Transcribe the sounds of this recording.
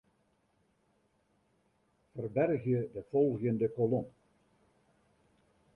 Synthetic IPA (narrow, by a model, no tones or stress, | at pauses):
fərbɛrɣjədəfolˠɣjəndəkolom